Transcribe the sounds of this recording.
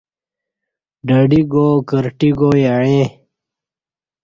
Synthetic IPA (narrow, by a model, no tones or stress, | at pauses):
ɖəɖiɡoːkəɾʈiɡoːjaɻẽ